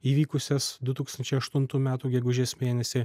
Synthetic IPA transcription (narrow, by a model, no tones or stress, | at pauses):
iːʋʲiːkʊsʲɛsd̪ʊt̪uːkst̪ɐnʲt͡ʃʲɛɪɐʃt̪ʊnt̪uːmʲæːt̪uːɡʲɛɡʊʒʲeːsmʲeːnʲɛsʲɪ